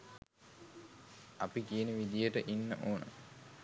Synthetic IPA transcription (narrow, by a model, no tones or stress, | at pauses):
ɐpikieneʋid̪ijəʈəʔinːə̰ʔoːnə̰